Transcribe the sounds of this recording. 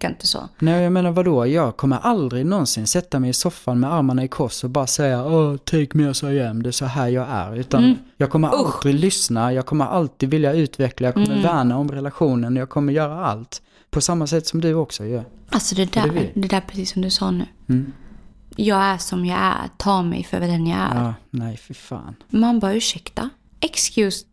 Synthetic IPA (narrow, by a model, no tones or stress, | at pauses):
kɪnt̪əso̰ːnɛːjɑmeːnaɾvad̪oːjɑːɡkʰɔmːəɾʔald̪ɾɪɡnɔnsɪnsɛt̪ːamɛjɪsɔfːanmɛaɾmaɳaɪkʰɔʂɔbɑːɾasɛjːaɔt̪ʰɛŋkːmɛːsɔjɛmːd̪ɛsɔɦæːjɑːɡæ̰ɾʉ̟ːt̪anjɑːɡ̚kʰɔmːəɾʔald̪ɾɪɡlʏsnajɑːɡ̚kʰɔmːəɾʔa̰lt̪iːd̪vɪljaʉ̟ːt̪vɛklajɑːɡkʰɔmːəɾvæːɳaɔmɾɛlaɧuːnənɔjɑːɡkʰɔmːəɾjœːɾaa̰lt̪ | pʰɔsamːasɛt̪ːsɔmd̪ɵɔksɔjøalsɔd̪ɛd̪æd̪ɛd̪æɾpʰɾɛsiːsːɔmd̪ɵsɑːnʉ̟̰ː | jɑːɡæʂɔmjɑæ̰ɾ̰t̪ʰɑːmɛ̰jfœ̰ɾvɛd̪ɛnjaæ̰ɾːnæɪfɪɾfɑ̰ːnmanbɑɾʉ̟ːʂɛkt̪a̰ | ɛkskjʉs